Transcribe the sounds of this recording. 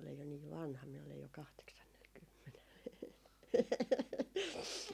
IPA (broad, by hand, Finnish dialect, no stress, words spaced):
olej jo niːʋ ʋɑnhɑ miæ ole jo kɑhteksɑnːelkymːenel